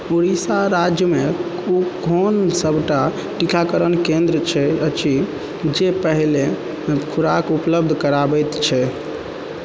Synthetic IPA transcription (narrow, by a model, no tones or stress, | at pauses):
oɾisaɾad͡ʒjəme | ukonsəbʱʈa | ʈikʰakəɾənkẽnd̪ɾət͡ʃʰɛət͡ʃʰi | d͡ʒepəɦle | kʰuɾakupləb̚d̪ʱkəɾabɛjt̪t͡ʃʰɛ